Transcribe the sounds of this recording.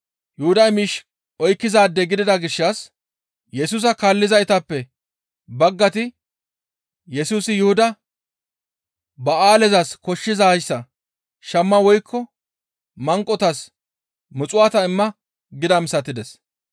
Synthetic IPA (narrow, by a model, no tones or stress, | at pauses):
jʊhʊd̪ɐjmiːʃ | ɔjkːɪzaːd̪ːɛɡɪd̪ɪd̪ɐɡɪʃːɐs | jɛsuːs̬ɐkaːlːɪzɐjɪt̪ɐpːɛ | bɐɡːɐt̪ɪ | jɛsuːsɪjʊhʊd̪ɐ | bɐaːlɛzɐskɔʃːɪzajsːɐ | ʃɐmːɐwɔjkʰːɔ | mɐŋkʼːɔt̪ɐs | mʊt͡sʼʊwat̪ɐɪmːɐ | ɡɪd̪ɐmsɐt̪ːɪd̪ɛs